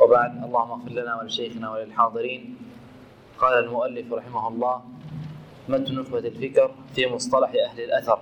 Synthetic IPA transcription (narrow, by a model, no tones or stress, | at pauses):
wɪbaʕd̪ʔɑlˤːɑːhʊmːaɣfɪɾlanaːwalɪʃajxɪnaːwalɪlħɑːd̪ˤɨɾiːn | qɑːlalmʊʔalːɪfɾˤɑħɪmahʊlˤːɑː | mat̪nʊθbat̪alfɪkɾfiːmʊsˤt̪ˤɑlɑħʔahlɪlʔaθɑɾˤ